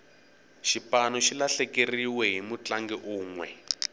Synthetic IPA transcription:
ʃipanɔʃilaɬɛkeriwɛɦimut͡ɬaŋɡɛʔuːŋwɛ̰

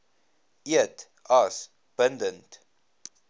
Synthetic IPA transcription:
iət | ɐs | b̥əndənt

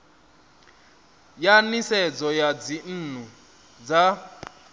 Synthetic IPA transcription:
janisɛd͡zɔjad͡zin̩ːn̤u | d͡za

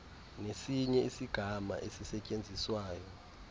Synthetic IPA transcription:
nesiɲɛisiɡ̥ʱama̰ʔesisɛcʼend͡zʱiswaːjɔ

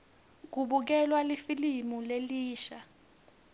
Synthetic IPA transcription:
k̬uɓuk̬ɛlwalifilimuleliːʃa

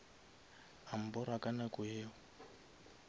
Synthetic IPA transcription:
am̩bɔɾakanakujeːɔ

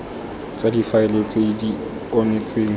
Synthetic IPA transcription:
t͡sʼadifaɪlet͡sʼedi | ɔnet͡sʼeːŋ̩

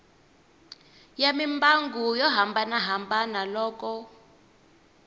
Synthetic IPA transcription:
jamimbaŋɡujɔɦambanaɦambanalɔːkɔ

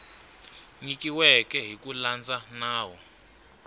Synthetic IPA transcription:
ɲikiwɛkɛɦikʼuland͡zʼanaːwɔ

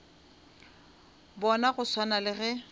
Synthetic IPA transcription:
bɔnaɣʊswanalɪɣɛ

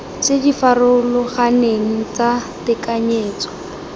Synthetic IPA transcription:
t͡sedifarʊlɔχaneŋ̩t͡satɪkaɲeːt͡sɔ̥

